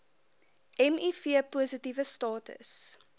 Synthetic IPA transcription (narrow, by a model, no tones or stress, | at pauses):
ʔɛmifiəpuəsətivəstɑːtə̰s